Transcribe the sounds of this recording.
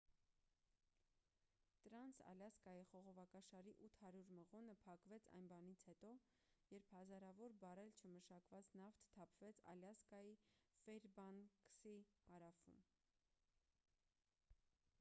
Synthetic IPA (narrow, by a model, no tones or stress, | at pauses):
t̪əɾɑnt͡sʰɑ̰ljɑskɑjiχɔʁɔvɑkɑʃɑɾiʔut̪ʰhɑɾjuɾməʁɔnəpʰɑkvɛt͡sʰɑ̰jnbɑnit͡sʰhɛt̪ɔ | jɛɾpʰhɑzɑɾɑvɔɾbɑɾɛlt͡ʃʰəməʃɑkvɑt͡snɑft̪ʰt̪ʰɑpʰvɛt͡sʰɑ̰ljɑskɑjifɛɾbɑnksihɑɾɑfṵm